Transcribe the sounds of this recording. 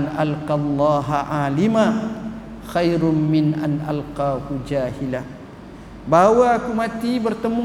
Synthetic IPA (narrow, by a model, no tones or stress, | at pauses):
nʔalqɑlˤːɑːɦaʕaːlima | xajɾʊmmɪnʔanʔa̰lqaːhud͡ʒaːhila | bawaːkumat̪ibərt̪əmu